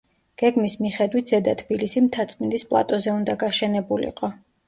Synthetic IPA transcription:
ɡ̥ɛɡmismiχɛd̪wit̪ʰz̥ɛd̪at̪ʰb̥ilisimt̪ʰat̪sʼmɛnd̪ispʼlˠa̰t̪ʼɔzɛund̪aɡaʃɛnɛbulḭqʼɔ

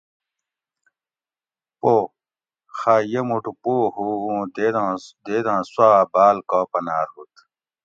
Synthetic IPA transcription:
poː | xaːjemuʈupoːɦuũːd̪ed̪ãd̪ed̪ãːsaːbaːlkɔːpɐnaːɾɦut̪

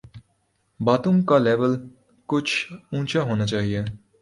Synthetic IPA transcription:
baːt̪õŋkaleːʋəl | kʊt͡ʃʰũːt͡ʃaɦoːnat͡ʃaːɦie

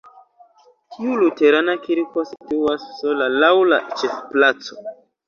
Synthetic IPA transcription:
tʰiulute̞ɾanakiɾko̞si̥tuasːolalawla̰t͡ʃefplat͡so

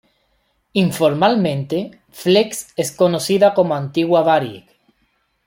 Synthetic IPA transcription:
iɱfoɾmalmẽnt̪e | flekseskonoθiðakomoãnt̪iɣwaβaɾjḛk

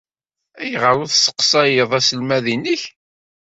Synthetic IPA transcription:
æjəʁəɾʊðsə̥qsˤɑjəðˤæsəlmæðiniç

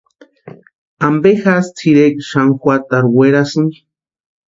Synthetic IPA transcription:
ambexast͡sʰiɾekʃaŋxwat̪aɾweɾasɨŋ

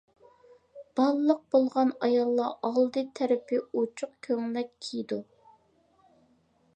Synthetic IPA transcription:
b̥ɑlˠlˠəq̚b̥olˠʁɑnɑjɑlˠːɑʔɑlˠd̪ɨt̪ʰæɾɪpʰɪot͡ʃʰʊq̚kʲʰøŋlɛkkʲʰijid̪u

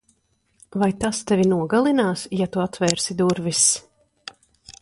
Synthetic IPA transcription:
vajt̪ast̪ɛvʲinuɔɡalˠinaːsjat̪uat̪vɛːɾsid̪uɾvis

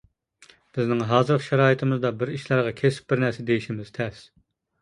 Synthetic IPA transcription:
b̥ɪznɪŋɦɑːzɨɾqʃæɾɑːjit̪ʰɪmɨzd̪ɑbɪɾiʃlˠæɾʁɑkʲʰesɪ̥p̚bɪɾnɛɾsɛd̪ejiʃimɪz̥t̪ʰɛs

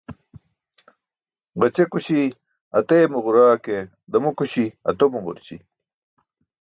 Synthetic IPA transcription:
ʁɐt͡ɕekuɕi | ɐt̪eːmuʁuɾaːke | d̪ɐmukuɕiɐ̰t̪omuʁṵɾt͡ɕḭ

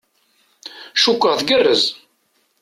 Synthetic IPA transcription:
ʃukʷːəʁθɡərːəz

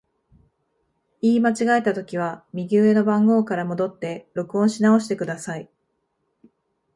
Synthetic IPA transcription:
iːmat͡ɕiɡae̞t̪at̪o̞kʲiβ̞amʲiɡʲɨːe̞no̞bãŋɡo̞ːkaɾamo̞d̪o̞t̪ːe̞ɾo̞kɯ̟õɕinao̞ɕi̥t̪e̞kɯ̟d̪asai

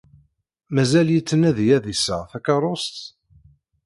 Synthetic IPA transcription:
mæzæljət͡sːənæðjæðisəʁθækɑɾˤost̪

